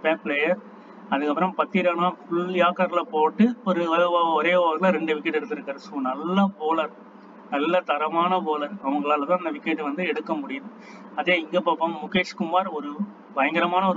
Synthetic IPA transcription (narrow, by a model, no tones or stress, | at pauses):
peːplejɐɾ | ɐðɯkːɐpːɾɐ̃mpɐt̪ːiɾaːnaːfʊɭjaːkɐɾlɐpoːʈːɯɔɾɯɔɾeːɐɣɐlaɾɛɳɖɯʋɪkːɛʈːɛɽɯt̪ːɪɾɯkːaːɾsoːnɐlːɐpoːlɐɾ | nɐlːɐt̪ɐɾɐmaːnɐpoːlɐɾɐʋɐŋɡɐɭaːlt̪ãːɐnd̪ɐʋɪkːeʈːɯʋɐnd̪ɯɛɽɯkːɐmʊɽɪjɐðɯ | ɐðeːɪŋɡɐpːɐːpːɐmːʊkːeːʂkʊmaːɾɔɾɯ | bɐjɐŋɡɐɾɐmaːnɐɔɾɯ